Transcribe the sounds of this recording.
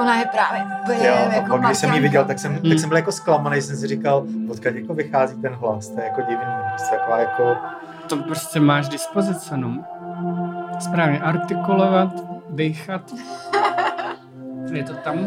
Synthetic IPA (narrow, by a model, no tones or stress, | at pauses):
oɦlajɛpɾaːvjɛupl̩ɲɛjoaɡdɪʃsɛmjivɪɟɛlt̪aksɛmt̪akksɛmbɪljakosklamanejs̬ɛms̬ɪɾikalpot̪kacjakovɪxaːziːt̪ɛnɦlast̪ojɛjakoɟɪvɲimoɦist̪akovaːjako | t̪opɾoscɛmaːʃdɪspozɪt͡sɪno | spɾaːvɲɛʔaɾt̪ɪkulovat̪dɛjxat̪ | jɛt̪ot̪am